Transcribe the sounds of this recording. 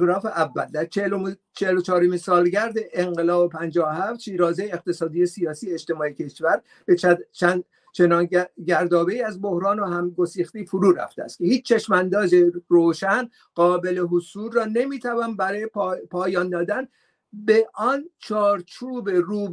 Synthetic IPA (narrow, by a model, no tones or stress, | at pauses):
ɡɾɒːfeʔævːæ̰ld̪æɾt͡ʃlot͡ʃʰeelot͡ʃʰɒːɾomisɒːlɟæɾd̪e̞ʔeŋɢelɒːbopʰænd͡ʒɒːohæft̪ʃiːɾɒːzejeːq̚t̪e̞sɒːd̪iːjesijɒːsiːjeeʃt̪emɒːjecʰe̞ʃvæɾ | b̥et͡ʃæ | t͡ʃʰenɒːnɟæɾd̪ɒːbeiːæzbo̞hɾɒːnoɦæmɡo̞siːxt̪ifoɾuːɾæ̰ft̪eæ̰st̪̚cʰehiːt͡ʃt͡ʃʰːe̞ʃmænd̪ɒːzeroːʃæn | ɢɒːbe̞le̞ɦosuːlrɒːne̞miːt̪ʰævɒːnbæɾɒːjeppʰɒːjɒːnd̪ɒːd̪æn | beʔɒnt͡ʃʰɒːɾt͡ʃʰuːbe̞ruːb